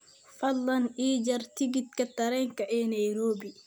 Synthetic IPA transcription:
fɐd̪ːɐnʔiːd͡ʒɐɾt̪iɡit̪̚kat̪ɐɾɛŋkaʔɛnajɾoːbi

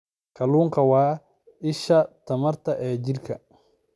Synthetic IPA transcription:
kɐluːŋkɐwaː | ɪʃɐt̪ɐmɐɾt̪ɐʔɛːd͡ʒiɾkʰɐ

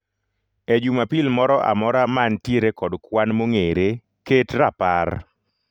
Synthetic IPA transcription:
ed͡ʒumapilmɔɾɔʔa̰mɔɾamantjeɾekɔdkwanmoŋeɾe | ketɾapar

